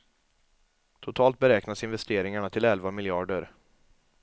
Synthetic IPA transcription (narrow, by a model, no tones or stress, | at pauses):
t̪ʰʊt̪ʰɑːlt̪̚bɛɾɛːknasɪnvɛst̪eːɾɪŋaɳat̪ʰɪlɛlvamɪljɑːɖəɾ